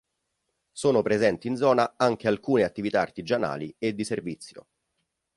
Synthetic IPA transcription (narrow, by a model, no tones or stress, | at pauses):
soːnopɾezɛnt̪iːnd̪zɔːnaaŋk̟ealkuːneat̪ːivit̪aːrt̪id͡ʒana̰ːlied̪ːiservit̪sːjo̰